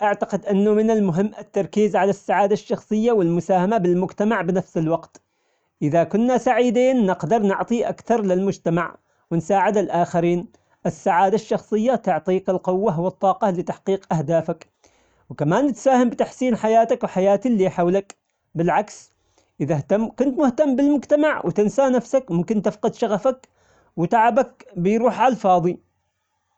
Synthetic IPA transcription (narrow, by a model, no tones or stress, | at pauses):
ʔaʕt̪aqɪd̪ʔɪnːʊmɪnɪlmʊɦɪmːʔɪt̪ːɑɾˤkiːzʕalasːaʕaːd̪aʃːɑxsˤɨjːawɪlmʊsaːhamabɪlmʊd͡ʒt̪amaʕbɪnafsɪlwɑqt̪ | ʔɪðakʊnːasaʕiːd̪eːnːɪqd̪ɑɾˤnʊʕt̪ˤiʔa̰kθɑɾˤlɪlmʊd͡ʒt̪amaʕ | wɪnsaːʕɪd̪ɪlʔaːxaɾiːn | ʔɪsːaʕaːd̪aʃːɑxsˤɨjːat̪ʊʕt̪ˤiːqɪlqʊwːaɦwɪt̪ˤːɑːqɑlɪt̪aħqiːqʔahd̪aːfak | wkamaːnːɪt̪saːhɪmbɪt̪aħsiːnħajaːt̪akwħajaːt̪ilːiːħawlak | bɪlʕaks | ʔɪðaht̪amːkʊnt̪mʊht̪amːbɪlmʊd͡ʒt̪amaʕwɪ̰t̪ɪnsaːnafsakmʊmkɪnt̪ɪfqɑd̪ʃaɣafak | wɪt̪aʕabak̚bɪjɾuːħʕɑlfɑːðˤi